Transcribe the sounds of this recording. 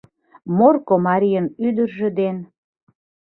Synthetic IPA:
morkomɑɾʲijənyd̪ərʒĕd̪en

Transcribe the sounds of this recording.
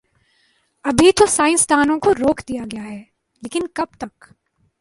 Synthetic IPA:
ɐbʱit̪osaːɪ̃nst̪aːnõkoɾoːkʰd̪ijaɡɐjaɦɛː | leːkɪnkɐb̚t̪ɐk

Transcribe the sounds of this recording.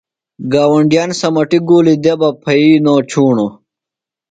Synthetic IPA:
ɡaːwɐɳɖijaːnsɐmɐʈiɡoːlid̪ebɐpʰɐiːnoːt͡ɕʰuːɳo

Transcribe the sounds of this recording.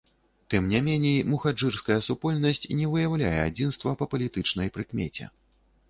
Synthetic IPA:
t̪ɨmnʲamʲɛnʲejmuxad͡ʐɨrskɐjɐsupɔlʲnɐsʲt͡sʲnʲɛvɨjawlʲa̰jɛad͡zʲinst̪vɐpɐpɐlʲit̪ɨt͡ʂnɐjpɾɨkmʲɛ̰t͡sʲɛ̰

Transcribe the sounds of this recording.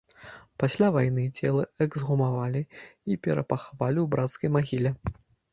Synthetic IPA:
pasʲlʲavajnɨt͡sʲɛlˠɐɛɡzɣumavalʲiipʲɛ̰ɾɐ̰paxavalʲiwbɾat̪skɐjmaɣʲilʲɛ

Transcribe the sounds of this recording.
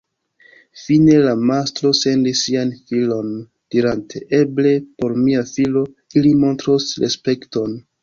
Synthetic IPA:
fine̞lamastɾo̞se̞ndisːianfilo̞n | d̥iɾantʰe̞ʔe̞ble̞po̞ɾmiafilo̞ | ilimo̞ntɾosɾḛspe̞kto̞n

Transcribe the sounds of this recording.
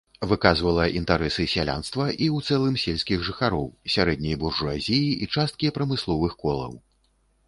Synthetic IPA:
vɨkazvɐlˠɐʔint̪aɾɛsɨsʲalʲa̰nst̪vɐʔiwt̪sɛlˠɨmsʲelʲsʲkʲiɣʐɨxaɾɔwsʲaɾɛd̪nʲɐjburʐuazʲijiʔit͡ʂast̪̚kʲipɾɐmɨslˠɔvɨxkɔlˠɐ̰w

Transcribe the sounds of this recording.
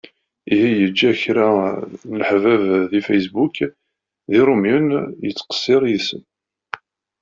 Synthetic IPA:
ihijəd͡ʒːæçɾanəlħvævðifæjs̬buk | ðiɾˤumjənjət͡sːqə̥sːɪɾˤjisə̰n

